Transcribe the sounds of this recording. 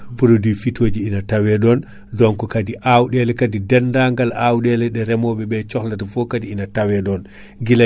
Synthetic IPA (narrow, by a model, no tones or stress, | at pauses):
puɾodifitʰoːd͡ʒiinatawɛɗɔn | dɔnkɔkadiʔawɗɛlɛkadidɛndaŋɡalawɗɛlɛɗɛɾɛmɔɓɛɓɛt͡ʃɔxlatɔfɔkadiinatawɛɗɔn | ɡila